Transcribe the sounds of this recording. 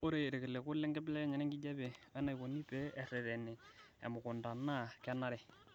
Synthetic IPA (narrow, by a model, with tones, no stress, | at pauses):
o˦ɾe˨ɾe˨ke˨le˨kʊ˦lɛ˦ŋɡɛ˦blɛ˦ɲɛ˨nɛ˦ŋɡɪ˦d͡ʒɛ˦be˨ɛ˦na˨i˨ko˨ni˦pe˦ɛ˨rɛ˨ðɛ˨ne˨ | ɛ̰˨mʊ˨kʊ˨nda˨na˦˨kɛ˦na˦ɾɛ˨